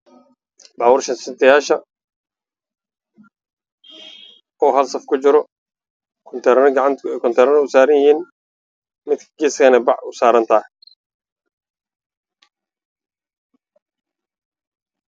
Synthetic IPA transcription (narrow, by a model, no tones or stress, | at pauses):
baːwʊrʃɐnsɪnt̪ʰɐjaːʃɐ | ɔːɦɐlsɐfkʰʊt͡ʃɪɾɔ | kʰnt̪ʰɐɾɡɑʕɑnkʰɔnt̪ʰɐɾnɛʊsaːɾɪnjɪhiːn | mɪd̪̚kʰɐɡiːskɐnɛbɑʕʊsaːɾɐnt̪ʰaː